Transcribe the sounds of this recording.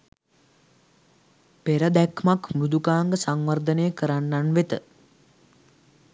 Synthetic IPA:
peɾəd̪ækmakmud̪ukaːŋɡəsaŋʋərd̪ənejəkəɾanːanʋet̪ə

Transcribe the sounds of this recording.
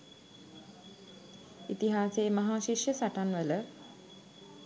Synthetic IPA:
it̪iɦaːseːmaɦaːʃiʃjəsaʈanʋələ

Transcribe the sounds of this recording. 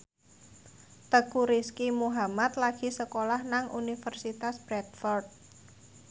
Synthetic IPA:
t̪əkuɾiskimuɦamat̪laɡ̥i̤səkolahnaŋṵnifərsit̪asb̥ɾɛt̪fɔrd̪̚

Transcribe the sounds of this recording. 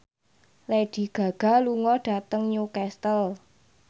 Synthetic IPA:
led̥i̤ɡ̥ä̤ɡ̥a̤luŋɔɖ̥a̤t̪əŋɲukɛst̪əl

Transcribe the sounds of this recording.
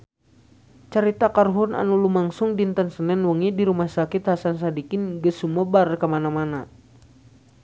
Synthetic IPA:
t͡ʃəɾit̪akarɦuna̰nulumaŋsuŋdint̪ənsənɛnwəŋidiɾumahsakit̪hasans̬adikinɡəsumɔbarkəmanamana

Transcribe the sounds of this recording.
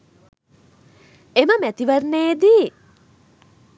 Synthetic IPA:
eməmæt̪iʋərneːd̪i

